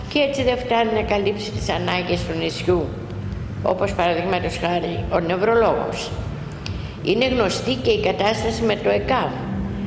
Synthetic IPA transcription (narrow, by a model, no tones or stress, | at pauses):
cee̞t͡siðe̞ft̪ɐninɐkɐlipsit̪i̥sɐnɐɲɟe̞st̪unisçu | o̞̰po̞spɐɾɐðiɣmɐt̪osxɐɾio̞ne̞vɾo̞lo̞ɣo̞̰s | ine̞ɣno̞st̪ice̞ikɐt̪ɐst̪ɐsime̞t̪o̞e̞kɐv